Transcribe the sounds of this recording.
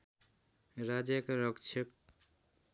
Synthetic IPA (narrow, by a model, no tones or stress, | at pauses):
ɾad͡ʒekɾɔkt͡ʃʰek